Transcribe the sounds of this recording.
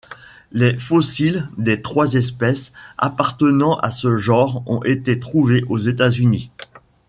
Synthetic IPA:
lefɔsild̪et̪χwazɛs̬pɛsa̰paʁt̪ənɑ̃ʔa̰səʒɑ̃ʁɔ̰̃ʔet̪et̪χuveʔozet̪azyni

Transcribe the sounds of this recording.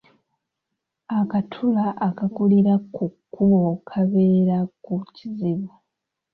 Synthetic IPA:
akatʰulaʔakakuliɾakukːuβo̞kʰaβe̞ːɾakuciziβa

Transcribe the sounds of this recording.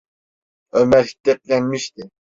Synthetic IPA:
ømæɾʲd̪ɛp̚lʲɛnmiʃt̪ɪ

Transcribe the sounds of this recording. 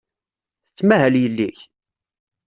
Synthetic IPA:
θət͡sːmæɦæljəlːiç

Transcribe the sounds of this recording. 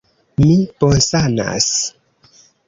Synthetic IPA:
miponsana̰s

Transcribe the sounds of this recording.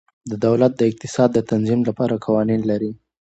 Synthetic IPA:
d̪əd̪awlat̪̚d̪əɪq̚t̪ɪ̥sɑd̪ːət̪anzimlapɑɾakʰawɑninlaɾi

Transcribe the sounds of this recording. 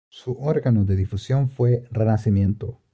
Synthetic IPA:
suʔoɾɡanod̪eðifusjo̞nfwerenasimjẽnt̪o

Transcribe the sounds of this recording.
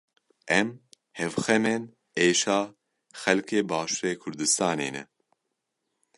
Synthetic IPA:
ʔɛm | hɛvxɛmen | eːʃɑː | xɛlkʰeːbɑːʃuɾeːkʰʊɾd̪ɨst̪ɑːnḛːnɛ̰

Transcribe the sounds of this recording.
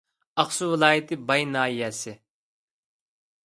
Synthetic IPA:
ɑχsuwɨlˠɑːjɪt̪ʰɪbɑjnɑːjɛsɪ

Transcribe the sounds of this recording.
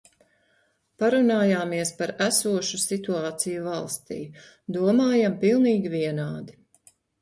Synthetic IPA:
paɾunaːjaːmiɛspaɾæsuɔʃusit̪uaːt̪sijuvɑlˠst̪ḭː | d̪uɔmaːjampilˠniːɡʲiviɛnaːd̪i

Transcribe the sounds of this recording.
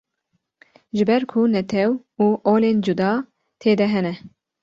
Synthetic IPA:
ʒɪbɛɾkʰunɛt̪ʰɛw | uːʔoːleːnd͡ʒud̪ɑː | t̪ʰeːd̪ɛɦɛnɛ

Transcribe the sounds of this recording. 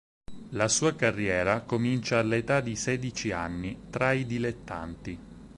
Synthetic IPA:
lasuːakarːjɛːɾakomint͡ʃaːlːet̪ad̪isɛːd̪it͡ʃia̰nːit̪ɾaid̪ilet̪ːa̰nt̪i

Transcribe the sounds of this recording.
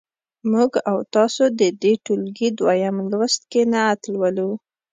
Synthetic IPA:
muɡawt̪ɑsod̪əd̪eʈulɡid̪wɑjamlwəst̪̚kenaːt̪lwalu

